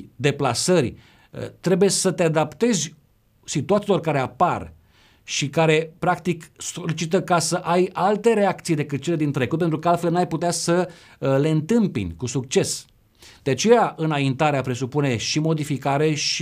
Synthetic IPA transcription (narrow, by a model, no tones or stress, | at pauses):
d̪e̞plasər̰ʲ | t̪ɾe̞buje̞sət̪e̞ad̪apt̪e̞zʲ | sit̪uat̪silo̞rkaɾe̞apar | ʃikaɾe̞pɾakt̪ikso̞lit͡ʃit̪̬əkasəʔajalt̪e̞ɾe̞akt̪sijd̪e̞kɨt̪̚t͡ʃe̞le̞d̪int̪ɾe̞kut̪̚pent̪ɾukəalt̪fe̞lnuajput̪easə | le̞ɨnt̪ɨmpḭnʲkusukt͡ʃe̞s | d̪eat͡ʃe̞jaʔɨnaint̪aɾeapɾe̞supune̞ʃimo̞d̪ifikaɾe̞ʃ